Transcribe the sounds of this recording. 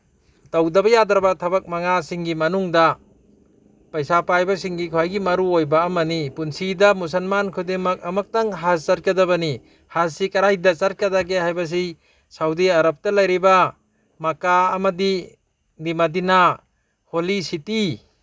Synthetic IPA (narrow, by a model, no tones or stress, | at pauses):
tawdɐbɐjadɾɐbatʰɐbɐk̚maŋasiŋɡimɐnuŋdɐ | pɐjsapajbasiŋɡikʰoajɡimɐɾuojbaːmɐnipunsidɐmus̬ɐlmankʰudeŋmɐk̚ɐmɐk̚taŋɦast͡ʃat̚kɐdabɐni | hassikɐɾajdɐt͡ʃat̚kadaɡeɦajbɐs̬i | sawdiaɾɐp̚tɐlɐjɾiba | makaːmɐdi | dimadina | holisiti